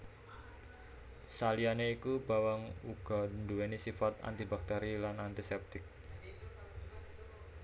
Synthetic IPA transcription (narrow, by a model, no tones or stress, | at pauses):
salianeikubawaŋuɡ̥ɔnduenisifat̪a̰nt̪ibak̚t̪eɾilanant̪isɛp̚t̪ɪk̚